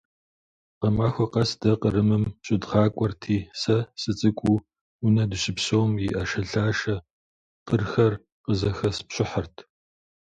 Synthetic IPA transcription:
qɐmaːxʷɐqɐsd̥ɐqəɾɨmɨmɕʼɪdʁɑːkʷʼɔrtʰiːsɐsɨt͡sʼɨkʷʼu | unɐdɨɕɪpɕowmjiʔɐʃɐɬaːʃɐ | qərxɐr | qəzɐxɐspɕɪħɐrtʰ

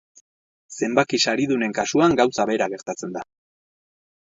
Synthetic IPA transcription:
se̞mbakisaɾiðune̞ŋkasuaŋɡawsaβe̞ɾaɣ̞e̞ɾt̪at͡se̞nd̪a

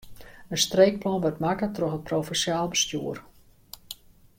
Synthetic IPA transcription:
ənstreːk̚plɔnʋɔtmakətrɔxət̚prowfɛnsjaːlˠbəstjuər

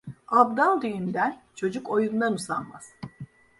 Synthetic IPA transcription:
abd̪alˠd̪yjynd̪ænt͡ʃʰo̞d͡ʒuko̞jund̪anusanma̰z̥

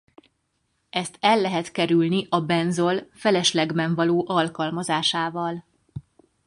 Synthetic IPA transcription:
ɛst̪ʰɛlːɛɦɛt̪kɛɾylniʔɒbɛnzo̞lfɛlɛʃlɛɡbɛɱvɒloːʔɒlkɒlmɒzaːʃaːvɒl

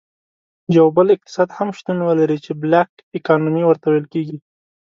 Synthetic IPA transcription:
jawbəlɪq̚t̪ɪ̥sɑd̪hamʃt̪unwəlaɾit͡ʃeblak | ɪkɑnumiwəɾt̪awajlkeɡi

